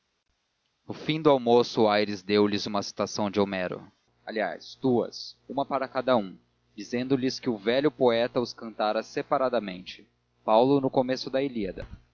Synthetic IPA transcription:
ʊfĩd̪ʊawmosʊajɾɪzd̪ewlɪzũmɐsi̥t̪asɐ̃w̃d͡ʒɪomɛɾʊ̰ | alia̰st̪uɐ̰sũmɐpaɾɐkad̪ɐũ | d͡ʒizẽnd̪ʊlɪskɪʊvɛʎʊpoɛt̪ɐʊskɐ̃nt̪aɾɐsepaɾad̪ɐmẽnt͡ʃɪ̥ | pawlʊnʊkomesʊd̪ɐeliɐd̪ɐ̰

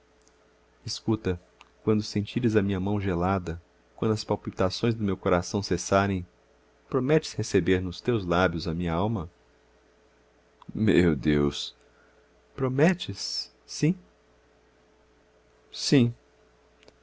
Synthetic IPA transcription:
ɪskut̪ɐ | kwɐ̃nd̪ʊsẽnt͡ʃiɾɪzɐmĩɲɐmɐ̃w̃ʒelad̪ɐ | kwɐ̃d̪ʊɐspawpit̪asõj̃zd̪ʊmewkoɾasɐ̃w̃sesaɾẽj̃ | pɾomɛt͡ʃɪ̥shesebeɾnʊst̪ewzlabjʊzɐmĩɲɐawmɐ | mewd̪ews | pɾomɛt͡ʃɪsː | ĩ | sĩ

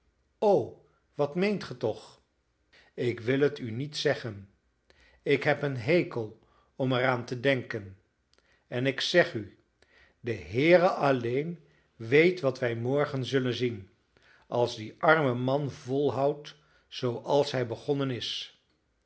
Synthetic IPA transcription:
ow | ʋɑtmejntχətɔχ | ɪkʋɪlˠɦətynitsɛχən | ɪkɦɛpənɦejkəlˠ | ɔmɛraːntədɛŋkən | ɛnɪksɛχy | dəɦɪːrəɑlejn | ʋejtʋɑtʋɛjmɔɹχənzɵlənzin | ʔɑlˠzdiʔɑɹməmɑnvɔlˠɦɑwt | z̥owʔɑlˠsɦɛjbəχɔnənɪs

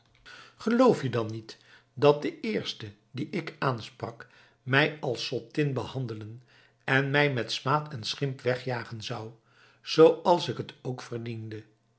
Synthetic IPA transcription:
χəlowfjədɑnit | dɑt̚dəɪːɹstə | diʔɪkaːnsprɑk | mɛjɑlˠsɔtɪnbəhɑndələn | ɛnmɛjmɛtsmaːtʰɛnsχɪmpʋɛχjaːχənzɑw | z̥owɑlˠsɪkətʰowkfərdində

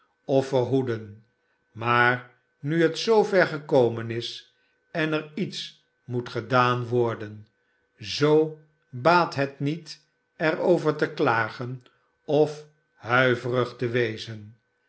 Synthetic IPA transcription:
ɔfəɹɦudən | maːɹ | nyɦətsowvɛɹχəkowmənɪs | ɛnəɹits | mutχədaːnʋɔɹdən | zow | baːtɦɛtnit | ɛrowvəɹtəklaːχən | ɔf | hœɥvərəχtəʋejzən

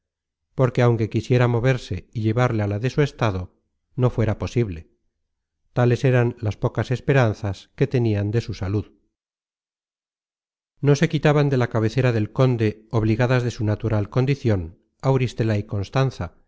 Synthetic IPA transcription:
po̞ɾke̞awŋke̞kisje̞ɾamo̞βe̞ɾse̞iʎe̞βaɾlealaðe̞sue̞st̪aðo̞ | no̞fwe̞ɾapo̞siβle̞ | t̪ale̞se̞ɾanlaspo̞kase̞spe̞ɾanθaske̞t̪e̞niand̪e̞susaluð | no̞se̞kit̪aβand̪e̞lakaβ̞e̞θe̞ɾaðe̞lko̞nd̪e̞oβ̞liɣaðazðe̞sunat̪uɾalko̞nd̪iθjo̞n | awɾist̪e̞laiko̞nst̪anθa

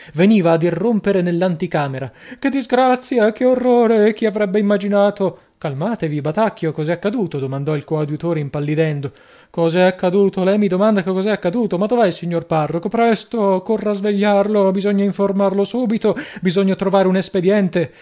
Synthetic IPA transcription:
veniːvaːd̪irːompeɾenelːant̪ikaːmeɾaked̪ːizɡɾat̪sːjakeorːoːɾek̟iavɾɛbːeimːad͡ʒinaːt̪o | kalmaːt̪evibat̪akːjokɔzɛakːad̪uːt̪od̪omand̪ɔilkoawd̪it̪oːɾeimpalːid̪ɛnd̪o | kɔzɛakːad̪uːt̪olɛmːid̪omand̪akekːɔːzɛakːad̪uːt̪omad̪ovajsiɲːorparːokopɾɛst̪okorːazveʎːarlobizoɲːaiɱformarlosuːbit̪obizoɲːat̪ɾovaːɾeunesped̪jɛnt̪e

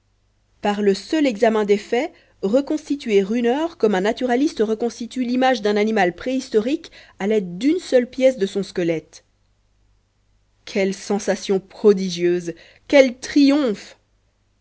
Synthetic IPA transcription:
paʁləsœlɛɡzamɛ̃d̪efɛ | ʁəkɔ̃st̪it̪ɥeʁynœʁkɔmɛ̃nat̪yʁalist̪əʁəkɔ̃st̪it̪ylimaʒd̪ɛ̃nanimalpχeist̪ɔʁikalɛd̪d̪ynsœlpjɛsd̪əsɔ̃skəlɛt̪ | kʲʰɛlsɑ̃sasjɔ̃pχɔd̪iʒjøz | kʲɛlt̪χijɔ̃f

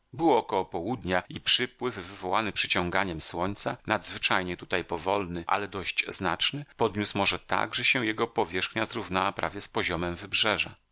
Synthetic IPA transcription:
bɘwɔːkɔwɔpɔwud̪ɲaipʂɘpwɘfːɘvɔwanɘpʂɘt͡ɕɔ̃ŋɡaɲɛmswɔɲt̪sanad̪zvɘt͡ʂajɲɛt̪ut̪ajpɔvɔlnɘʔa̰lɛd̪ɔɕd͡ʑzna̰t͡ʂnɘpɔd̪ɲusmɔʐɛt̪a̰ɡʐɛɕɛw̃jɛɡɔpɔvʲjɛʂxɲazɾuvnawapɾa̰vʲjɛspɔʑɔmɛmvɘbʐɛʐa̰

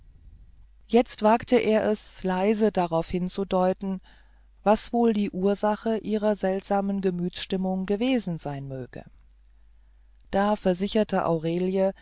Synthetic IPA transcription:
jɛt͡stv̥aːktəʔeːɐʔɛslaɪzədaʁaʊfhɪnt͡sudɔʏtn̩ | vasv̥oːldiːʔuːɐzaχəʔiːʁɐzɛltz̥aːmənɡəmyːtt͡sʃtɪmʊŋɡəveːzn̩zaɪnmøːɡ̥ə̰ | d̥aːfɛɐzɪçɐtʰəʔa̰ʊʁeːljə

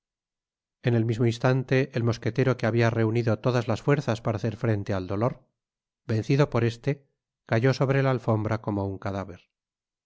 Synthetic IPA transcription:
ene̞lmizmo̞inst̪ant̪e̞ʔelmo̞ske̞t̪e̞ɾo̞keaβiare̞uniðo̞t̪o̞ðazlasfwe̞ɾθaspaɾaːθe̞ɾfɾe̞nt̪eald̪o̞lo̞ɾ | be̞nθiðo̞po̞ɾe̞st̪e̞ | kaʝo̞so̞βɾe̞laːlfo̞mbɾʔako̞mouŋkaðaβ̞e̞ɾ

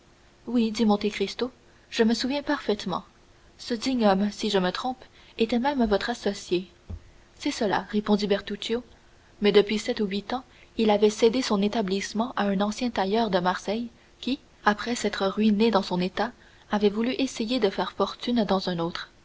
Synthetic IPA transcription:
wid̪imɔ̃t̪ekʁist̪o | ʒ̥əməsuvjɛ̃paʁfɛt̪mɑ̰̃ | səd̪iɲɔmsiʒəmət̪χɔ̃p | et̪ɛmɛmvɔt̪χasɔsje | sɛsəla̰ʁepɔ̃d̪ibɛʁt̪ut͡ʃjo | mɛd̪əpɥisɛt̪uɥit̪ɑ̃ | ilavɛsed̪esɔ̃net̪ablismɑ̃ʔaœ̃nɑ̃sjɛ̃t̪ajœʁd̪əmaʁsɛj | kʲi | apχɛsɛt̪χəʁɥined̪ɑ̃sɔ̃net̪a | avɛvulyʔesejed̪əfɛːʁfɔʁt̪ynd̪ɑ̃zœ̃noːt̪χ

